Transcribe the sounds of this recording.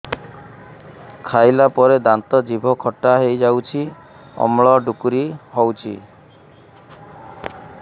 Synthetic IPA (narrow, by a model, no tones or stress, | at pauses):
kʰajlapɔɾed̪ant̪ɔd͡ʒibʱɔkʰɔʈːaɦejd͡ʒawt͡ʃʰi | ɔ̰mɭɔɖukuɾiɦɔwt͡ʃʰḭ